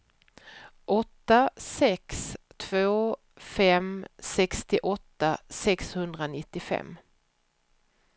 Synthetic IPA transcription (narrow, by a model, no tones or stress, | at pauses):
ʔɔt̪ːasɛkst̪ʰv̥oː | fɛmsɛkst̪ɪʔɔt̪ːasɛkshɵnd̪ɾanɪt̪ːɪfɛ̰mː